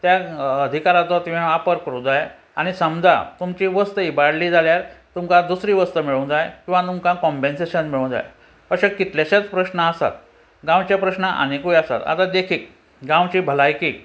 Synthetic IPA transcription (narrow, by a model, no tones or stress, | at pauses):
t̪jaəd̪ʱikaɾat͡s̪ɔt̪iãapəɾkəɾũd͡zaj | a̰ɽ̃isəmd͡za̰t̪umt͡ɕiːʋəst̪əibaɽliːd͡zʱaljaɾt̪umkãd̪usɾiːʋəst̪əmiɭõd͡zajkĩw̃ʋat̪umkãkɔ̃mpenseɕənmiɭõw̃d͡za̰j̰ | pəɕekit̪ljaɕat͡spɾəɕnəasa̰t̪ | ɡãw̃t͡ɕjapɾəɕnəʔa̰nikujasa̰t̪a̰t̪ad̪ekʰiːk̚ | ɡãw̃t͡ɕiːbʱəlajkiːk